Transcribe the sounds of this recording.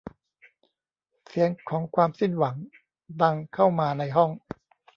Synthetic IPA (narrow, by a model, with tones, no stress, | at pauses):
si˩˦əŋkʰɔː˩˦ŋkʰwaː˧msi˥˩nwa˩˦ŋ | da˧ŋkʰa˥˩wmaː˧na˧jɦɔ˥˩ŋ